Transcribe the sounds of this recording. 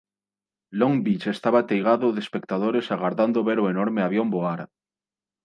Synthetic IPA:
loŋbit͡ʃest̪aβat̪ejɣaðoðespek̚t̪að̞oɾesaɣaɾðand̪oβeɾoenoɾmeaβjomboaɾ

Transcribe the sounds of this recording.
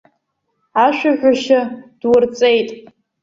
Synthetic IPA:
aʃʷᶣaʒʷᶣaʃad̥wʊrt͡sʼejtʼ

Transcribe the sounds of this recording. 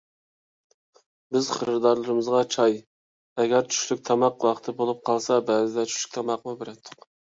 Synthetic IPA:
bɪzχəɾɾɨd̪ɑɾlˠɨɾɨmɨzʁɑt͡ʃʰɑj | ɛɡʲɛɾt͡ʃʰy̥ʃlyk̚ʲt̪ʰɑmɑqwɑqʰt̪ʰɨbolˠup̚qʰɑlˠsɑbæzɪd̪ɛt͡ʃʰy̥ʃly̥kʲt̪ʰɑmɑqmubeɾɛt̪ʰːʊq

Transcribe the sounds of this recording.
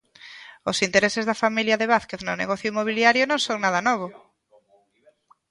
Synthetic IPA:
ʊsint̪eɾesɪzðɐfamiljɐðeβaθkeθnʊnḛɣɔθjʊimoβ̞iljaɾjʊnõŋsoŋnaðɐnɔβ̞ʊ

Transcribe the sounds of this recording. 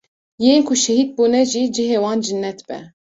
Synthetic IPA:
jeːnkʰuʃɛhiːd̪̚buːnɛʒiːd͡ʒɨɦeːwɑːnd͡ʒɨnːɛt̪b̥ɛ̰

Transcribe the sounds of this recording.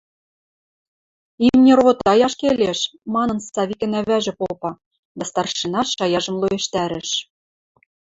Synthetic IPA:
imnʲĕrɣot̪ɑjɑʃkelʲeʃmɑnɤ̆nsɑβʲikɘ̆næβæʒɘ̆popɑ | d̪æst̪ɑrʃinɑʃɑjɑʒɤ̆mlˠojeʃt̪æɾɘ̆ʃ

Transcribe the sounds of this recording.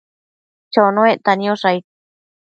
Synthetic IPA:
t͡ʃonõeʔt̪anĩõʂai

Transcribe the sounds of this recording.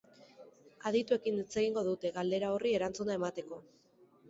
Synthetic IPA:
að̞it̪ue̞kinet͡se̞ɣiŋɡo̞ðut̪e̞ɣald̪e̞ɾaorie̞ɾant͡sunae̞mat̪e̞ko̞

